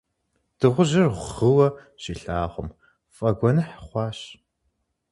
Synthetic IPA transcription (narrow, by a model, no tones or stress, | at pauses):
d̥ɨʁʷʊʒɐrʁʷʁɨwɐ | ʃiɬaːʁʷʊm | fʼɐɡʷɔnɨħχʷɑːɕ